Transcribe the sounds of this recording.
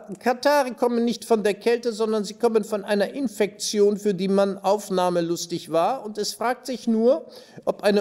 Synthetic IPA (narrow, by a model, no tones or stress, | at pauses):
kʰataːʁəkʰɔmənːɪçtfɔndeːɐkʰɛltəzɔndɐnziːkʰɔmənfɔnʔaɪnɐʔɪnfɛk̚t͡sjoːnfyːɐdiːmanʔaʊfnaːməlʊstɪçv̥aːɐʊntɛsfʁ̥aːk̚tz̥ɪçnuːɐʔɔpʔaɪnə